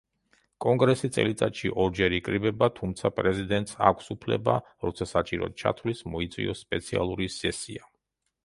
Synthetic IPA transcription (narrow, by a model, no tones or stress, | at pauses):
kʼɔŋɡɾɛsit̪sʼɛ̰lit̪sʼat̪ʃiʔɔɾd͡ʒɛɾikʼɾibɛbat̪ʰumt̪sʰapʼɾɛzid̪ɛnt̪ʼsa̰kʷʰsupʰlɛ̰ba̰ | ɾɔt̪sʰasat͡ʃʼiɾɔ̰t͡ʃʰa̰t̪ʰlismɔit̪sʼwḭɔspʼɛt̪sʰia̰lˠuɾisɛsia